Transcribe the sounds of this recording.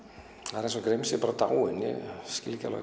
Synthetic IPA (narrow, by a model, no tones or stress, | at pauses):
ɾɛnsɔɡɾemsɪpaːɾat̪a̰wɪnɪ̰scɪlca̰la̰